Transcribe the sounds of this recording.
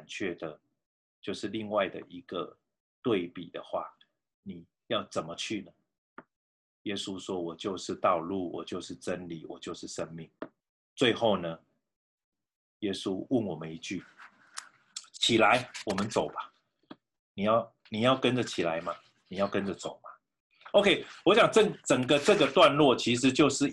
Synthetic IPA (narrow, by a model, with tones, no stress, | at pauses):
nt͡ɕʰɥɛ˥˩d̪ə˩ | t͡ɕjo˥˧ʊʂɻ̩˥˧li˥˧ŋwa˥˩ɪd̪ə̰˨˩ʔi˧˦ɡ̥ə˨ | t̪we˥˩ɪpi˨˩d̪ə̰˨xwa̰˥˩ | ni˨˩ | jɑ˥˩ʊt͡sə˨˩nmə˦t͡ɕʰy˥˨nə˩ | je˦su˦ʂwɔ˦wɔ˨˩t͡ɕjo˥˧ʊʂɻ̩˥˧t̪ɑ˥˧ʊlu˥˩wɔ̰˨˩t͡ɕjo˥˧ʊʂɻ̩˥˩ʈ͡ʂə˦nli˨˩wɔ̰˨˩t͡ɕjo˥˧ʊʂɻ̩˥˩ʂə˦˥nmi˥˨˩ŋ | t͡swe˥˧ɪxo˥˩ʊnə˨ | jɛ˦su˦ʊ˥˩nwɔ˨˩mə˨˦ni˧˦t͡ɕy˥˩ | t͡ɕʰi˨˩la˨˧˦ɪwɔ˨˩mə˨˦nt͡so˨˩ʊba˨˦ | ni˨˩ja˥˩ʊ | ni˨jɑ˥˩ʊkə˦nʈ͡ʂə˨t͡ɕʰi˨˩la˨˦ɪma˨ | ni˨˩jɑ˥˩ʊkə˦nʈ͡ʂə˨t͡so˨˩ʊma˨ | o˧kʰe˥ɪwɔ˧˦ɕja˨ŋt͡sə˥˨ŋt͡sə˨˩ŋɡə˨t͡sɤ˥˨ɡə˨t̪wa˥˧nlwɔ˥˨t͡ɕʰi˧˦ʂ̬ɻ̩˧˦t͡ɕjo˥˧ʊʂɻ̩˥˨